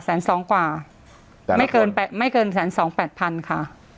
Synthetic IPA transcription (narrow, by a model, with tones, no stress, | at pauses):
sɛː˩˦nsɔː˩˦ŋkwaː˨˩ | ma˥˩jkɤː˧npɛː˨˩ma˥˩jkɤː˧nsɛː˩˦nsɔː˩˦ŋpɛː˨˩t̪̚pʰa˧nkʰa˥˩